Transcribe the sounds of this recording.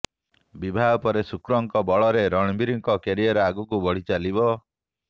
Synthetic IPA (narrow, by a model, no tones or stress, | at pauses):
bibʱaɔpɔɾesukɾɔŋkɔbɔɭɔɾeɾɔɽ̃ibiɾiŋkɔkeɾiɔɾeaɡukubɔɽ̤it͡ʃalibɔ